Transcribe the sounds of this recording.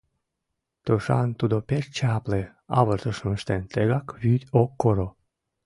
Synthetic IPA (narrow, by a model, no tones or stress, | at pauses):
t̪oʃɑ̰nt̪ud̪opert͡ɕɑple | ɑβərt̪əʃəməʃt̪ent̪eɣɑkβyt̪ʲokːoɾo